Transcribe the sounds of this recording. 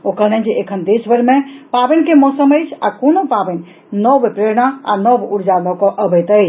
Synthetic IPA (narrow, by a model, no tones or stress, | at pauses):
okənəd͡ʒeʔekʰənd̪esbəɾmepabɛnkemɔsəməjt͡ʃʰa̰konopabən | nɔbpɾeɾnaa̰nɔbuɾd͡ʒalɔkɔʔəbət̪əjt͡ʃʰ